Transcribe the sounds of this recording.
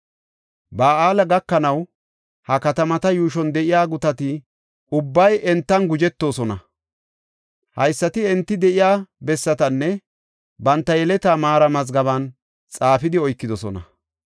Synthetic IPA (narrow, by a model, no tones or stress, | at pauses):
baːaːlɐɡɐkːɐnɐw | hɐkɐt̪ɐmɐt̪ɐjuːʃ̬ɔnd̪ɛʔɪjaːɡʊt̪ɐt̪ɪ | ʔʊbːɐjɛnt̪ːɐnɡʊd͡ʒɛt̪ːo̞ːsɔnɐ | hɐjsːɐt̪ɪɛnt̪ːɪd̪ɛʔɪjaːbɛsːɐt̪ɐnːɛ | bɐnt̪ːɐjɛlɛt̪aːmaːɾɐmɐzɡɐβɐn | t͡sʼaːfɪd̪ɪɔjkːɪd̪ɔsɔ̰nɐ̰